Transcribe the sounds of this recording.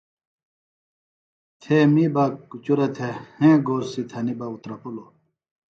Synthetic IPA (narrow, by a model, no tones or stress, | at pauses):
t̪ʰemibakut͡ɕuɾɐt̪ʰehẽːɡoːɾsit̪ʰɐnibɐut̪ɾɐpulo